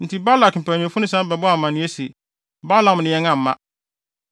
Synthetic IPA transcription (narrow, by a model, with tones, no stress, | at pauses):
n̩˨tʰi˦ba˦la˨km̩˨pʰæ˨nĩ˨fʊ˦nʊ̃˦sã˦m˦bɛ˨bɔ˦a˨mã˨nɪ̃˦e˦se˨ | ba˦lã˨m˨nɪ̃˨jɛ̃˦ŋã˨m̩˨˦mã̰˦